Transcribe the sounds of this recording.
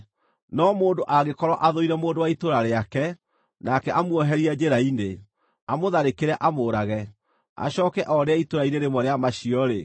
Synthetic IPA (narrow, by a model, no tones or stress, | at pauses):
nɔmoːndoʔaɣekɔɾɔʔaðoiɾɛmoːndowaitoɾaɾeakɛ | nakɛʔamwɔɦɛɾiad͡ʒeɾaine | amoðaɾekeɾɛʔamoːɾaɣɛ | a̰ɕɔːkɛʔɔɾeaitoɾaineɾemɔɾeamaɕiɔɾe